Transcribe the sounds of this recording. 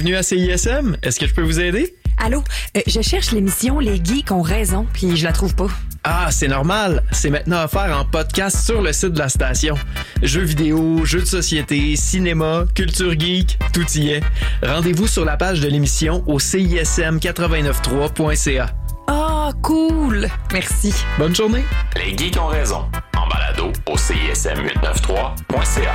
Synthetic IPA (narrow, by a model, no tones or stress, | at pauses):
vnyaseiɛsɛmɛskəʒəpøvuzɛːd̪e | aloʒəʃɛʁʃlemisjɔ̃leɡʲikɔ̃ʁɛzɔ̃pʰɥiʒəlat̪χuvpaasɛnɔʁmalsɛmɛ̃t̪̚nɑ̃afɛːʁɑ̃pɔd̪̚kʲast̪syʁləsɪt̪̚d̪əlast̪asjɔ̃ | ʒøvid̪eoʒød̪əsɔsjet̪esinemakʲylt̪yːʁɡʲikt̪ut̪ijɛ̃ʁɑ̃d̪evusyʁlapaːʒd̪əlemisjɔ̃ʔoseiɛsɛmkʲat̪χəvɛ̃nœft̪χwapwɛ̃sea | akʰulmɛʁsibɔnʒuʁnelḛɡʲikɔ̃ʁɛzɔ̰̃ɑ̰̃ba̰la̰d̪ooseḭɛ̰sɛ̰mɥɪ̰t̪̚nə̰ft̪χwa | pwɛ̃sea̰